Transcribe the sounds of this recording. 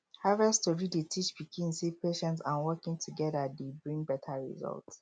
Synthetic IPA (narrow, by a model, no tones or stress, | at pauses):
havɛstuɹidetʰit͡ʃbikʰĩnsepeʃɛ̃nsãnwɔkĩŋtʰuɡɛdadebɹĩŋbɛtʰaɹḭzɔ̰lts